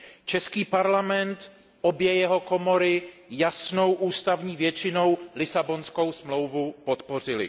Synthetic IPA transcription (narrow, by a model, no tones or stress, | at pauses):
t͡ʃɛskiːpaɾlamɛnt̪ | ʔobjɛjɛɦo̞komo̞ɾɪjasno̞wʔuːst̪avɲiːvjɛt͡ʃɪnowlɪsabo̞nsko̞wsmlo̞wvupo̞t̪po̞r̝ɪlɪ̰